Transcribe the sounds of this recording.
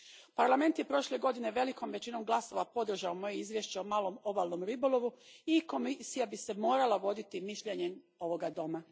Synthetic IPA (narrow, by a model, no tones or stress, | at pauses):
paɾlˠame̞nt̪je̞pɾo̞ʃle̞ɡo̞d̪ine̞ʋe̞liko̞mʋet͡ɕino̞mɡlˠaso̞ʋapo̞d̪r̩ʒaomo̞jeizʋje̞ʃt͡ɕeomaːlˠo̞mo̞baːlˠno̞mɾibo̞lˠo̞ʋuiko̞misijabise̞mo̞ːɾalaʋo̞d̪it̪imiʃʎe̞ɲem | o̞ʋo̞ɡad̪o̞ma